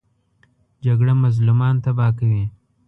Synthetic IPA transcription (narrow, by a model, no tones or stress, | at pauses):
d͡ʒaɡɽamazlumɑːnt̪abɑːkawi